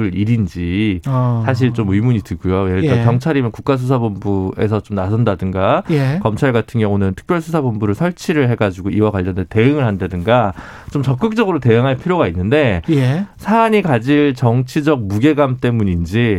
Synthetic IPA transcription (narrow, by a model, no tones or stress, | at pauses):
ɯɭiɾind͡ʑi | sʰaɕ̬ʰiɭt͡ɕomɯimuɲitɯɭɡujojenɯɭt͈akjʌŋt͡ɕʰaɾimjʌnkuk̚k͈as̬ʰus̬ʰabumbue̞sʰʌt͡ɕomnasʰʌndadɯŋɡaekʌmt͡ɕʰaɭɡatʰɯŋjʌŋonɯntʰɯ̥k̚pjʌɭsʰusʰabombuɾɯɭsʰʌɭt͡ɕʰiɾɯɭɦe̞ɡad͡ʑiɡoiwakwaʎːʌndete̞ɯŋɯɭhandadɯŋɡa | t͡ɕomt͡ɕʌk̚k͈ɯk̚t͡ɕ͈ʌɡɯɾote̞ɯŋɦanpʰiɾjoɡainːɯnde̞jesʰaːɲikad͡ʑiɭt͡ɕʌŋt͡ɕʰid͡ʑʌk̚muɡe̞ɡamt͈e̞muɲind͡ʑi